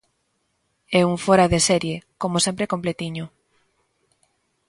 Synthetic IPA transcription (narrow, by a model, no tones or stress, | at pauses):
ɛuŋfoɾaðesɛɾjekomosẽmpɾekomplet̪iɲo